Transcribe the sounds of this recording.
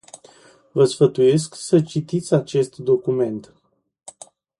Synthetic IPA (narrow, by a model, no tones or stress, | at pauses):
vəsfət̪uje̞sksət͡ʃit̪it̪sʲat͡ʃe̞st̪d̪o̞kume̞nt̪